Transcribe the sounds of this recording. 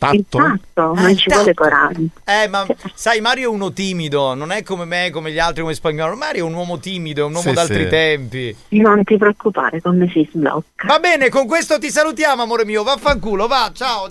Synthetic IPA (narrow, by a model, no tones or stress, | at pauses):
aint̪at̪ːonont͡ʃivwɔːlekoɾa̰ɛmːasajmaːɾjoɛunot̪iːmid̪ononɛkːomemekːomeʎialt̪ɾikomespaɲːɔːlomaaaːɾjoɛunwɔːmot̪iːmid̪oɛunwɔːmod̪alt̪ɾit̪ɛmpinont̪ipɾeokːupa̰ːɾekomːesizblɔ̰kːavabːɛːnekoŋk̬west̪ot̪̬is̬alut̪jaːmoamoːɾemiːovafːaŋkuːlovat͡ʃaːo